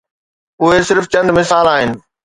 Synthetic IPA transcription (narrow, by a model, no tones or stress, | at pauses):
ʊɦesɪɾft͡ɕɐ̃nd̪mɪsaːlaːɦɪnɪ̆